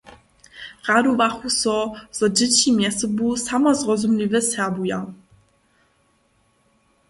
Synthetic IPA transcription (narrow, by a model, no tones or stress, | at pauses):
ʁad̪uvaxusɔz̥ɔd͡ʑet͡ɕimʲjɛsəbusamazʁɔzumlʲivɛsɛbuja